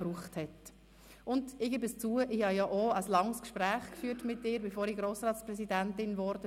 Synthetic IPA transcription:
b̥ɾuːχthɛt | ʊndɪɡeːbəst͡suːəʔɪhɑjɑʔoəslɑŋskʃpɾæːχkfyːətmɪtːɪːɾbɛfoːɾiɡɾoːsɾɑːtt͡sprɛsidæntɪnvɔɾd̥ə

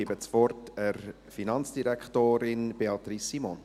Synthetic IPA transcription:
ebət͡sfɔrtʰər | finɑnt͡sd̥iɾɛkχtoːɾɪnb̥eɑtrisimɔn

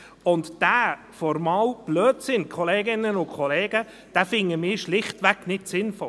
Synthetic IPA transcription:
ʊnt̪d̥æː | fɔɾmɑːlb̥løːtsɪnkʰɔleːɡɪnənʊkʰχɔleːɡ̥ə | d̥æfɪŋːəmɪːʃlɪχt̪ʋæknɪtsɪnfɔ

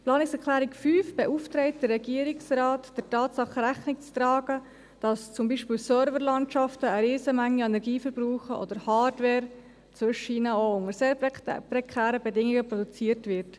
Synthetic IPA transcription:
plɑːnɪksɛklæːɾɪkfyːfb̥ɛʔuftɾɛɪt̚d̥ərːɛɡiːəɾɪksrɑːtd̥ətɑːtsɑχəɾæχnɪkt͡strɑːɡə | d̥ɑst͡sʊmbiːʃpiːlsœɾvəɾlɑntʃɑftəːɾeːzəmæŋːiɛnɛɾɡiːfəɾbɾuːχəʔɔ̰dəɾhɑːɾdʋɛːɾ | t͡sʋʏʃəinəoʊŋəɾseːɾpɾɛkʰæːɾəbɛdɪŋiɡəpɾɔd̥ut͡siəɾtvɪɾt

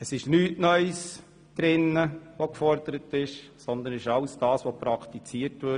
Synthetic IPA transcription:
əsɪʃnyːtnœʏs | d̪̥ɾɪnːəʋokfɔɾd̪̥əɾətɪʃ | sɔnd̪ənɪʃɑʊsd̥ɑːsʋopɾɑkʰt̪it͡siːətʋø

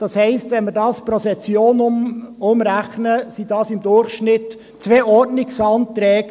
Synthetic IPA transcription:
d̥ɑshɛɪstʋɛnmɪɾdɑːspɾosɛt͡sjoːnʊmɾæχnəsid̥ɑːsɪmd̪ʊrχʃnɪt̪ | t͡sʋeːɔrdnɪksɑnt̪ɾɛːɡ

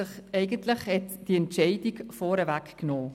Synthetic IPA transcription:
ɪχɛɪɡəntlɪχhɛtd̥iɛntt͡ʃɛɪdiɡfɔːɾəvækknoː

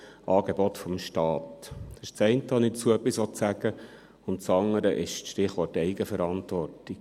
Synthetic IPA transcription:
ʔɑːɡebɔtfɔmʃtɑːtd̥ɑʃt͡sɛɪntəhɑnit͡suœpːisʋɔtsæɡə | ʊntt͡sɑŋəɾəʔɪʃʃtɪχʋɔrtɛɪɡəfəɾɑntʋɔrtik

